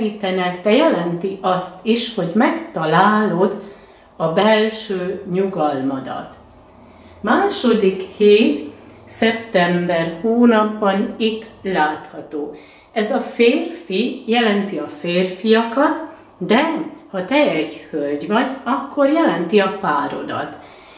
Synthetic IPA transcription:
iːt̪ɛnɛkd̪ɛjɛlɛnt̪iʔɒst̪iʃho̞ɟmɛkt̪ɒlaːlod̪ | ɒbɛlʃøːɲuɡɒlmɒd̪ɒ̰t̪ | maːʃo̞d̪ikheːt̪ | sɛpt̪ɛmbɛrhoːnɒbːɒnik̪laːt̪hɒt̪oː | ɛzɒfeːrfijɛlɛnt̪iɒfeːrfijɒkɒt̪ | d̪ɛhɒt̪ɛɛɟhølɟʋɒɟɒkːo̞rjɛlɛnt̪iɒpaːɾo̞̰d̪ɒ̰t̪

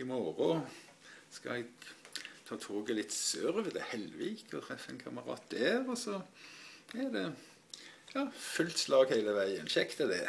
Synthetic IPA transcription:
ɪmɔɾʊ | skɑ̰ɛɡt̪ʰɑːt̪ʰoːɡəlɪt̪sœʁʋəd̪ɛhɛlʋɪːkɔt̪ʰʁɛfːəɛnkʰɑməɾɑ̰ːt̪̚d̪æːʁɔsɔ | æd̪ɛ | jɑːfʉlt̪slɑːɡhæɪləʋæɪənʃɛkt̪əd̪ɛ

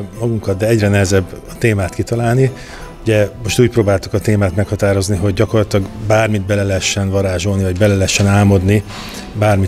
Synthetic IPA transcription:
mɒɡuŋkɒt̪̚d̪ɛɛɟrɛnɛɦɛzɛbːɒt̪eːmaːt̪kit̪ɒlaːlni | uɟɛmo̞ʃt̪uːc̚proːbaːlt̪u̥kɒt̪eːmaːt̪mɛkhɒt̪aːɾo̞zniɦo̞ɟːɒko̞rlɒt̪ilɒɡbaːrmid̪̚bɛlɛlɛɦɛʃːɛnvɒɾaːʒo̞lnivɒɟbɛlɛlɛɦɛʃːɛnaːmo̞d̪ni | baːrmi

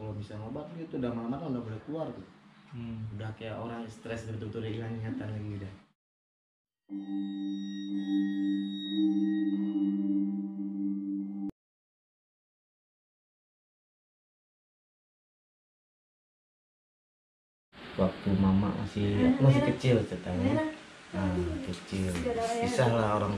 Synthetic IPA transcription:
kalomisaŋobat̪̚liat̪udamalamalaŋudahbolakluart̪ʊ | udahkajaʔoɾaŋɛst̪ɾɛsdabət̪ut̪udailaŋiat̪anlaɡida | wak̚t̪umama̰ʔma̰siamas̬ikət͡ʃilsət̪a | akət͡ʃilbisaŋlaoɾaŋ

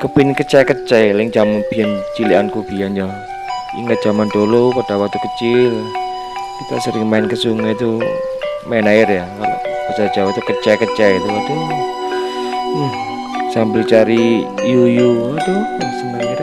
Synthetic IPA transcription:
kəbɪnkət͡ʃakət͡ʃɛlɪŋd͡ʒamab̥iant͡ʃiliankubiand͡ʒam | ḭŋət̪̚d͡ʒ̥amandolopad̥awak̚t̪ukət͡ʃɪl | kit̪a̰səɾɪŋmaɪnkəsuŋat̪u | maɪnaɪrjakalo̰ʔb̥əsad͡ʒawat̪ukət͡ʃakət͡ʃɛit̪uwak̚t̪u | h | sambɪlt͡ʃaɾijujut̪uasəŋanit̪a

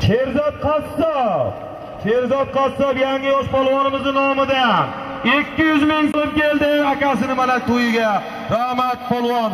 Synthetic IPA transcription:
t͡ʃʰeɾzɒt̪̚qʰat̪sɒp̚ | t͡ʃʰeɾzɒd̪̚qʰat̪sɒpjaŋːɪjɒʃpʰɒlˠwɒnɪmɪzɪnɒmɪd̪an | ekʲːɪjʊzmɪŋsomkʲeld̪ɪakʲasɪnɪmanat̪ʰʊjɪɡʲa | ɾahmat̪̚pʰolˠwɒn

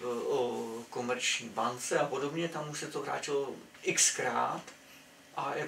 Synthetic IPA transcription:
oko̞mɛɾt͡ʃɲiːbant͡sɛapo̞do̞bɲɛt̪amuʃsɛt̪oɦɾa̰ːt͡ʃɪlo | ʔɪkskɾa̰ːt̪ | ʔajɛ

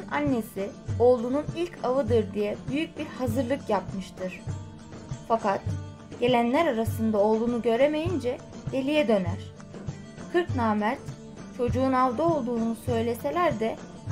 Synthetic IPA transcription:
nanːe̞sio̞lˠununilʲcʰavɯd̪ɯɾd̪ijɛbyjyc̚biɾhazɯɾlˠɯkjapmɯʃt̪ʰɯɾ̥ | fakat̪ | ɟ̥e̞lʲænlʲæɾaɾasɯnd̪ao̞lˠunuɟø̞ɾe̞me̞jind͡ʒɛ | d̪̥e̞lʲijɛd̪ø̞næɾ̥ | kʰɯɾknaːmæɾt̪ | t͡ʃʰo̞d͡ʒuːnavd̪ao̞lˠd̪uːnusø̞jlʲe̞se̞lʲæɾd̪ɛ

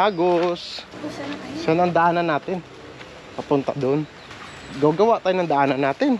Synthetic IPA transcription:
aːɡos | sonɐŋd̪ɐaʔaːnɐnːaːt̪ɪn | pɐpʊnt̪a̰d̪on | ɡɐwɡɐwaʔt̪aːjʊnɐŋd̪ɐʔaːnɐnːaːt̪ɪn

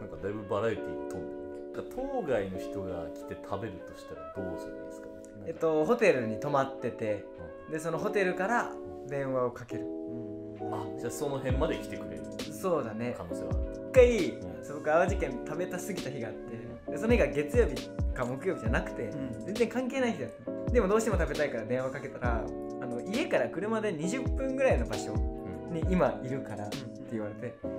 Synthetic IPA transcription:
nãŋkad̪aibɯbaɾajit̪eit̪ːõnd̪ | kat̪ʰoːɡaino̞çi̥t̪o̞ɡa̰kʲi̥t̪e̞t̪ʰabe̞ɾɯ̟t̪o̞ɕi̥t̪aɾad̪̥oːsnesɨ̥ka | et̪ːo̞ɦo̞t̪e̞ɾɯ̟ɲ̟it̪o̞mat̪ːe̞t̪e̞ha | d̪e̞so̞no̞ɦo̞t̪e̞ɾɯ̟kaɾa | d̪ẽ̞ɰ̃βao̞kake̞ɾɯ̟ | ad͡ʑaso̞no̞ɦẽ̞mːad̪e̞kʲi̥t̪e̞kɯ̟ɾeɾɯ̰so̞ːd̪ane̞kanoːsḛβaikːaiiː | sɨbokɯ̟aβaʑikẽ̞nt̪abe̞t̪asɨɡʲit̪açiɡaːt̪ːe | d̪e̞s̬ooçʲiɡaɡe̞t͡sɨjo̞ːbʲikaamokɯjo̞ːbʲid͡ʑanakɯ̟̥t̪e̞zend͡ze̞ŋkãŋke̞ːnaiçid̪at̪ːd̪e̞mod̪o̞ːɕi̥t̪emo̞t̪abe̞t̪aikaɾad̪ẽ̞ɰ̃akake̞t̪aɾa̰ː | no̞ie̞kaɾakɯ̟ɾɯ̟mad̪e̞ɲ̟iʑɨpːɯ̟̃ŋɡɯ̟ɾaino̞baɕõ̞̰ɲ̟iʔimaʔiɾɯ̟kaɾa | t̪ːe̞iβaɾe̞t̪e̞

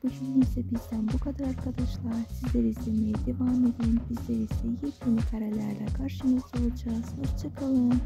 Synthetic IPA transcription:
b̥ud͡ʒʰynimsɛbizd̪ænbukʰad̪aɾaɾkʰad̪ɑʃlˠɑɾsizleɾisd̪emejɛd̪evaːme̞d̪inbizleɾizɛjeinikʰaɾɛlʲæɾlʲɛkʰaɾʃɯnɯsolˠud͡ʒaz̥at͡ʃʰɯkʰɯlˠɯn

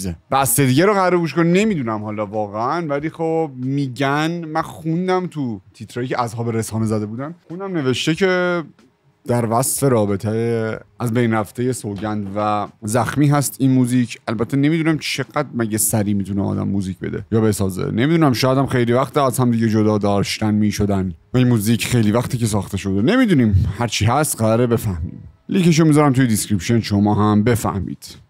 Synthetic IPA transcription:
eb̥æst̪ed̪iːɟæɾoɣæɾeɡuːʃ̬konine̞miːd̪uːnæmhɒːlɒvɒːɣeænvæliːxob̚miːɟænmænxund̪æmt̪ʰut̪ʰit̪ʰɾɒːjicʲʰeʔæzhɒːbeɾesɒːnezæd̪e̞buːd̪ænxunæmne̞ve̞ʃt̪e̞cʰe̞ | d̪̥æɾvæsfe̞ɾɒːbe̞t̪ʰeʔæzbe̞jnræft̪e̞je̞soɟænd̪væzæxmiːɦæst̪inmuːziːcʰʔælbæt̪ʰːene̞miːd̪unæmt͡ʃʰe̞ɡæd̪̚mæɟesæɾiːmiːt̪ʰuneɒ̰ːd̪æ̰mːuːziːcbe̞d̪ḛjɒːbe̞sɒːzḛne̞miːd̪unæmʃɔːjæd̪æmxejliːvæχt̪ʰiæzhæmd̪iːɟed͡ʒod̪ɒːd̪ɒːʃt̪ænmiːʃod̪ænvæinmuːziːcʰxejliːvæxt̪ʰiːcʰe̞s̬ɒːxt̪ʰe̞ʃod̪ene̞miːd̪uniːmhæɾt͡ʃʰiːɦæst̪ɢæɾɒːɾebe̞fæhmḭːmliːkeʃ̬omizɒɾæmt̪ujed̪iskɾipʃonʃomɒːɦæmbe̞fæ̰hmḭːd̪̥

